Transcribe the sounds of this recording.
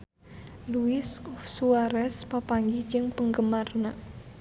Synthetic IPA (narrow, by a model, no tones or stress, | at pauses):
luɪsɔfsuaɾɛspapaŋɡid͡ʒɨŋpəŋɡəmarna